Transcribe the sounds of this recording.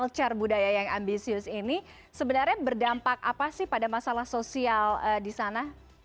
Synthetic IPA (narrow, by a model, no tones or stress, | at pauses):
lt͡ʃarbudajajaŋambisiʊsini | səbənarɲabərdampak̚apasɪhpadamasalahsosialədisana